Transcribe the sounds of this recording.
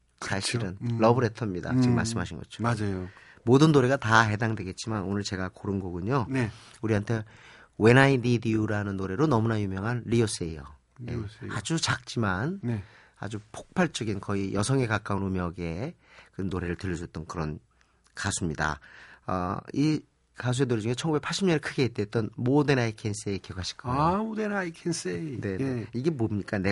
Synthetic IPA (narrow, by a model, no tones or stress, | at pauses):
ssʰaɕʰiɾɯnːʌbɯɾe̞tʰʌmɲida̰t͡ɕimaɭs͈ɯmɦaɕʰinɡʌt͡ɕʰo̥ad͡ʑajo | modɯnːoɾe̞ɡataɦe̞daŋdwe̞ɡe̞t̚t͡ɕ͈imanonɯɭt͡ɕe̞ɡakoɾɯnɡʌɡuɲon | uɾiɦantʰe̞ | we̞naididiuɾanɯnːoɾe̞ɾonʌmunajumjʌŋɦanɾios͈eijʌ | jḛa̰d͡ʑut͡ɕak̚t͡ɕ͈imann | a̰d͡ʑupʰok̚pʰaɭt͡ɕ͈ʌɡinkʌijʔʌsʰʌŋe̞kak͈aunumjʌɡe̞kɯnoɾe̞ɾɯɭtɯʎːʌs̬ʰuet͈ʌnkɯɾʌn | kasʰumɲida̰ʌ̰i | kas̬ʰuenoɾed͡ʑuŋɦet͡ɕʰʌŋɡubekpʰaɭɕ͈ʰimɲʌneɭkʰɯɡe̞ɦet̚t͈et͈ʌnmodɯnaikʰens͈ekʰeɡaɕʰi̥k͈ʰaodenaikʰensene̞neiɡe̞momɲik͈ane